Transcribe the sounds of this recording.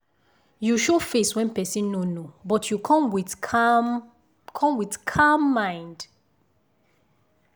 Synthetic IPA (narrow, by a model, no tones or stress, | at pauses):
juʃofeswɛ̃npɛsĩnːonobɔtʰjukʰɔ̃mwi | kʰɔ̃mwiθkʰamːãɪ̃nd